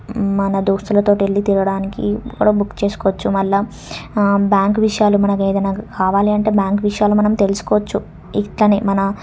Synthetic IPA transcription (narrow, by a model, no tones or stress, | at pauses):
mɐnɐd̪oːst̪ulɐt̪oːʈielːit̪iɾɐɽaːnikḭkːṵɽɐbukːt͡ʃe̞ːsu̥koːʋɐt͡ʃːumɐlːɐ | bjaːŋkʋiʂɐjaːlumɐnɐkeːd̪ɐnaːkʰaːʋaːliɐɳʈe̞ːbjaːŋkʋiʂɐjaːlumɐnɐmt̪elusu̥kɔːʋɐt͡ʃːu | iʈlɐnemɐnɐ